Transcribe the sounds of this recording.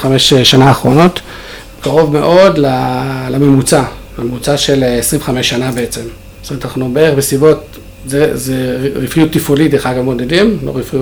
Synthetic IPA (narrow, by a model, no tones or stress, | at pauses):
χameʃʃanaːχʁo̞no̞t | kaʁo̞vme̞ʔo̞dlalamemut͡sa | lamemut͡saʃe̞lesʁiveχameʃːanabeet͡se̞m | tometanaχnubeeeχbesibo̞t | zezeʁifijutːifulitdeχaɡamo̞dedimlo̰ʁifiu